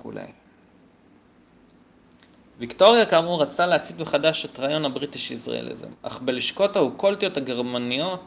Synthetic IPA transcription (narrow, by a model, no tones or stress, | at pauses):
ṵlḛj | vikto̞ʁijakaːmuʁat͡saleat͡sit̪beχadaʃetʁajo̞nhabʁitiʃisʁa̰ʔḛlʔḭzḛma̰χbeliʃko̞thahukolt̪ijo̞thaɡe̞ʁmanijo̞t